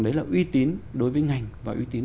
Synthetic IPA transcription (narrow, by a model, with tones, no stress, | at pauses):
ŋɗə˨˦jlaː˨˩ʔwi˧t̪i˨˦ənɗo˨˦jvəː˨˦jŋa˨˩jŋ̟vaː˨˩ʔḭ˧˦t̪i˨˦n